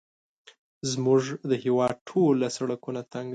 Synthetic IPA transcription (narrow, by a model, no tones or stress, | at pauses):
zmuʐd̪əhewɑd̪̚ʈʰolasaɽakunat̪aŋɡa